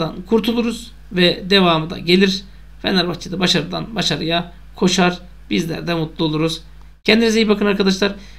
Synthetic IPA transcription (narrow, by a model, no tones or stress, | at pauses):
d̪ankʰuɾt̪ʰulˠuɾuz̥ | vɛd̪e̞vaːmɯd̪a̰ɟe̞lʲiɾ | fɛ̰naɾbaxt͡ʃʰid̪abaʃaɾɯd̪a̰nbaʃaɾɯja | kʰo̞ʃaɾ̥ | bizlʲæ̰ɾd̪ɛmut̪lˠuo̞lˠuɾuz̥ | cʰɛnd̪inizejipbakʰɯnaɾkʰad̪aʃlˠaɾ̥